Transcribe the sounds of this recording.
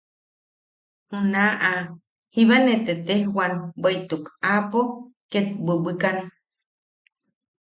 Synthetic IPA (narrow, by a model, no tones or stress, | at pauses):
hunaʔa | hiβanet̪et̪ehwanbəjt̪ukapo | ket̪̚bɨbɨkan